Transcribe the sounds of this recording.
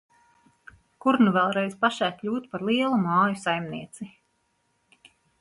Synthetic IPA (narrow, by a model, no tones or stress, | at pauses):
kuɾnuvɛlˠɾɛjzpaʃæːkʎʲuːt̪paɾlˠiɛlˠumɑːjusajmniɛt̪si